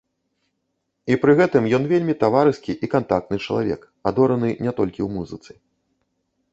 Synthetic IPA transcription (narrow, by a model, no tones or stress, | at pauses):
ipɾɨɣɛt̪ɨmjɔn̪vʲelʲmʲit̪avaɾɨskʲiʔikant̪ak̚t̪nɨt͡ʂɐlˠavʲɛ̰k | ad̪ɔɾɐnɨnʲɛt̪ɔlʲkʲiwmuzɨt̪sɨ